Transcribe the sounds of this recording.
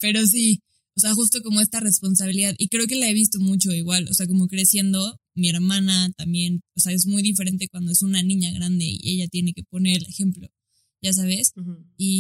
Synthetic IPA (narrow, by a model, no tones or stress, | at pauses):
pe̞ɾos̬i | ose̞axust̪o̞ko̞mo̞e̞st̪are̞spo̞nsaβiliðaðikɾe̞oke̞lae̞β̞is̬t̪o̞mut͡ʃo̞iɣwalo̰se̞ak̬o̞mo̞kɾe̞sje̞nd̪o̞mie̞ɾmãnat̪ambje̞nose̞ae̞zmujðife̞ɾe̞nt̪e̞kwand̪oe̞sunanĩɲaɣɾand̪e̞̰ḭe̞̰ʝat̪je̞ne̞ke̞pone̞ɾele̞xe̞mplo̞̰ | ʝas̬aβ̞e̞si